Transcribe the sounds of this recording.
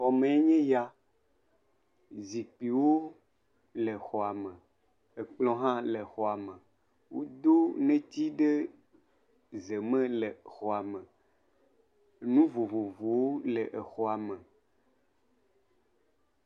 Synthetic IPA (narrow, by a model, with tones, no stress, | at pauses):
xɔ˨mẽ˨e˦ɲẽ˦ja˨ | zi˨k͡pi˨wo˦ | le˨xɔ˨a˨mẽ˨ | e˨k͡plɔ̃˦ɦã˦le˨xɔ˨a˨mẽ˨ | wo˦d̪o˦nẽ˦t̪i˦ɖe˦ | ze˨mẽ˦le˨xɔ˨a˨mẽ˨ | nũ˦vo˨vo˨vo˨wo˦le˨ʔe˨xɔ˦a˨mẽ˨